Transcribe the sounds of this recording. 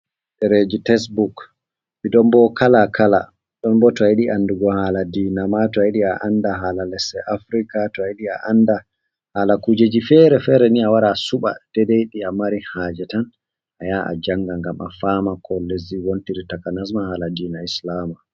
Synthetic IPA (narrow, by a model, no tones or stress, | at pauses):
ɗɛɾed͡ʒitɛsbuk | ɓiɗɔmbɔkʰalakʰala | ɗɔnbɔtɔajiɗiʔanduɡɔhaladiːnamatɔaiɗiaʔandaɦaːlalɛsɛʔafɾikatɔajiɗiaʔanda | halakud͡ʒed͡ʒifɛːɾɛfɛːɾɛniawaɾasuɓa̰d̥ɛdejɗiamaɾihaːd͡ʒɛtan | ajaʔa̰d͡ʒaŋɡaŋɡama̰faːmakʰɔleziwontiɾitakanas̬mahaːladiːnaislama